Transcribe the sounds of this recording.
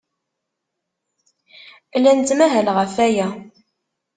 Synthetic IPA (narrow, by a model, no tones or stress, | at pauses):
lænt͡s̪mæɦælʁəfæjæ